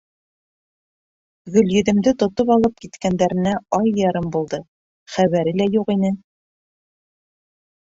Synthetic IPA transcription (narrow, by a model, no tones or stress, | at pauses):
ɣɵ̆ljɵ̆ðɘ̆md̪ɘt̪ŏt̪opɑlˠɤp̚kit̪kænd̪æɾɘ̆næɒjːɑɾɤmbulˠd̪ɤ | χæβæɾɘlæjuqinɘ